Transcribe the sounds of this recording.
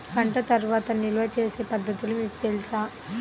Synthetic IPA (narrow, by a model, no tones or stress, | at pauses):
kɐɳʈɐt̪ɐɾʋaːt̪ɐnilɐʋɐt͡ʃeːse̞ːpɐd̪ːɐt̪ulumiːkut̪elisaː